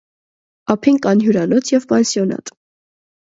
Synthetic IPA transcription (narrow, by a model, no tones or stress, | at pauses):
ɑpʰiŋkɑnɦjuɾɑnɔt͡sʰjɛvpɑnsjɔnɑ̰t̪ʼ